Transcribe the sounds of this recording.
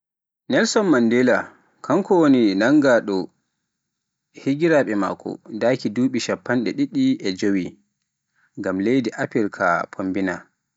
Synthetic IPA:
nɛlsɔnmandɛla | kʰaŋkɔwoninaŋɡaɗɔ | hiɡiɾaɓɛma̰ːkʰɔ̰daːkiduːɓiʃapːanɗɛɗiɗːiʔɛd͡ʒowi | ŋɡamlejdiʔapiɾkʰa̰pʰombina̰

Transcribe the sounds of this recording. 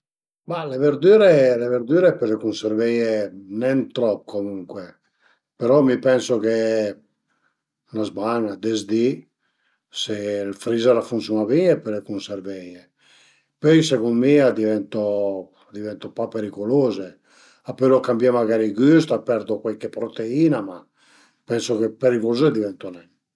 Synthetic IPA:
maleveɾd̪yːɾeleveɾd̪yːɾepeɾlekunseɾvɛjenɛnt̪ɾɔp̚ːkomuŋkwe | peɾɔmipɛnsoke | nazbaŋad̪ezd̪i | selfɾizaɾafunsjunaviɲepeɾlekunservɛje | pøjsekunmiːad̪ivɛnt̪o | d̪ivɛnt̪opapːeɾikoloːze | apːelokambjamaɡaːɾiɡyst̪apːɛɾd̪okwalkepɾot̪eiːnama | pːɛnsokepːeɾikozed̪ivɛnt̪onɛn

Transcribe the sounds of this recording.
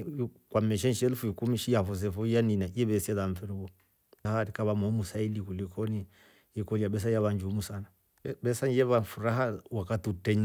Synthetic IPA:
kwamɛʃ̬ɛnʃɛlfuikumiʃijafɔs̬ɛfɔjaninaiɛβɛsiaðaɱfɛɾuβɔ | ahaɾikaβamɔmusailikulikʰɔni | ikɔliaɓɛs̬ajaβand͡ʒumusana | bɛsaɲɛβafuɾaɦawakatutɛɲ

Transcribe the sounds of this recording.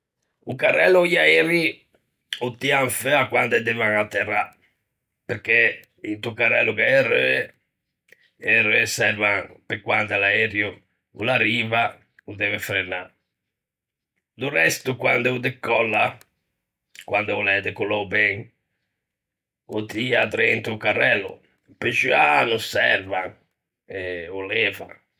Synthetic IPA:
ukarɛ̰lːɔjaɛɾi | ut̪ːiaɱfɛakːwand̪ɛd̪ɛvaŋat̪ːɛra | peɾk̟e | int̪ukarɛ̰lːukaɛrø̰ɛ | ɛrɛsɛɾvaŋpekːwand̪alaɛɾju | ṵlaɾiːva | ud̪ɛvɛfɾɛna | d̪urɛst̪ukwand̪ɛud̪ekːɔlːa | kwand̪ɛulɛd̪ekulowbɛŋ | ut̪iat̪ɾɛint̪ukarːɛlːṵ | ped͡ʒianusɛ̰ɾvaŋ | ɛulɛːva̰

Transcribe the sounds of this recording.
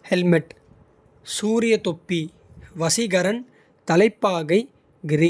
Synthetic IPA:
hɛlmɪʈ | suːɾɪjɐt̪opːi | ʋɐsɪɣɐɾɐn | t̪ɐlɐɪpːaːɣɐɪ | ɡɪɾi

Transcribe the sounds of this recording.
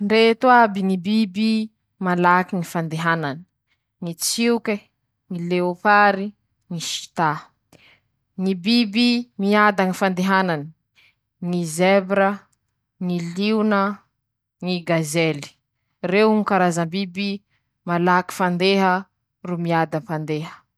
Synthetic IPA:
ɳɖ͡ʐet̪wabiŋibibi | malakiŋifand̪eɦanani̥ | ŋit͡siuke | ŋileopaɾi | ŋiʃi̥t̪a | ŋibibimiad̪aŋifand̪eɦanani | ŋizɛbɾə | ŋiliunə | ŋiɡazeli̥ | rewŋikaɾazəmbibi | malaki̥fand̪eɦə | rumiad̪anfand̪eɦə̥

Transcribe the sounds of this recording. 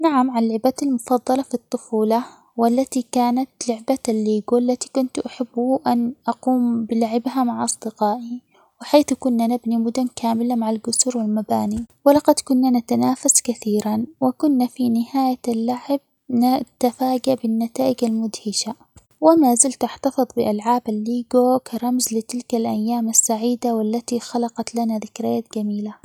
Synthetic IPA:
naʕamʕalːɪʕbat̪almʊfɑðˤːɑlɑfit̪ˤːʊfuːlɑ | walːat̪ikaːnat̪lʊʕbaalːiːɡuʔalːat̪i̥kʊnt̪ʔaħabːʊʔanʔɑquːmbɪlaʕɪbhamaʕʔɑsˤd̪ɪqɑːʔi | wɪħaːθkʊnːanabnimʊd̪ʊnkaːmɪlamaʕalɡʊsuɾwɪlmabaːniwɪlɑqɑd̪kʊnːanat̪anaːfaskaθiːɾanwɪkʊnːafinɪhaːjaalːaʕɪb̚ | nat̪afaːd͡ʒaʔbɪnːat̪aːʔɪd͡ʒalmʊd̪hɪʃa | wɪmaːzɪlt̪aħt̪ɑfɨðˤbɪʔalʕaːbalːiːɡokaɾˤɑmzlɪt̪ɪlkalʔajːaːmasːaʕiːd̪awɪlːat̪ixɑlɑqɑt̪lanaðɪkɾɪjaːt̪ɡamiːla

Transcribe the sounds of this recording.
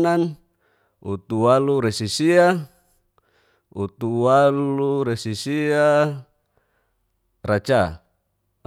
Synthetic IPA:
nan | ut̪uwaluɾesisia | ut̪uwaluɾesisia | rat͡ʃa

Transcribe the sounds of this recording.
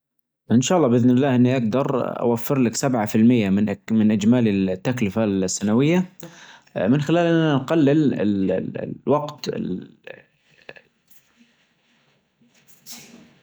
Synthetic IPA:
ʔɪnʃaːɑlˤːɑːbʔɪðnɪlːaːhʔɪnːiʔaɡ̚d̪ɑɾˤa̰wafːɪɾlɪksabʕafɪlmɪjːamɪnmɪnʔɪd͡ʒmaːlɪlt̪ːaklɪfasːanawɪjːa | mɪnxɪlaːlʔɪnːanɡalːɪlɪ̰l | wɑɡt̪ɪ̰

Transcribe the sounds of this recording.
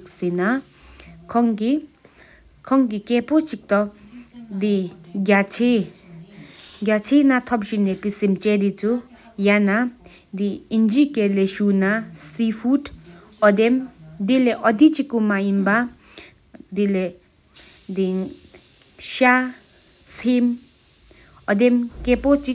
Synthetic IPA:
ksina | kʰɔŋki | kʰɔŋkikɛpot͡ʃik̚t̪ɔ | d̪iɡat͡ʃʰe | ɡʲat͡sʰenat̪ʰɔp̚ɕinepisimt͡ʃed̪it͡su | jana | d̪iind͡ʒikeleʃunasifʰud | ɔd̪emd̪ileʔɔd̪it͡ʃikːumajinba | d̪ile | d̪i | ʃa | sʰem | ɔd̪emkepot͡ʃi

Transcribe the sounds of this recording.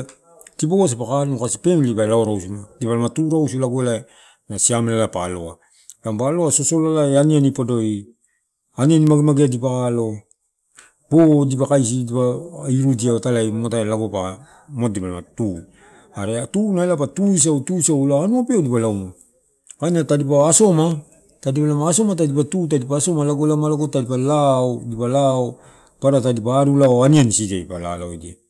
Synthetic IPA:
tipoɡos̬ipakanukasipe̞mlibaelaoɾawsunadipalamatuɾawsulaɡoela | nasiamelalapalo̞̰a | kampaloasosolalaeanianipodo̞i | anianimaɡemaɡeadipakalo̞ | bodipakajs̬idipaiɾudiatalajmotaelaɡopa | motdipalama̰tu | aɾeatunaelapatuis̬awtusaulaanuopeodipalawmo | kaniatadipaːso̞ma | tadipalamaːso̞mat̬adipatut̬adipaːso̞malaɡolamalaɡotadipalaodipalao | paɾatadipaːɾulaoaniansiteipala̰laojdia

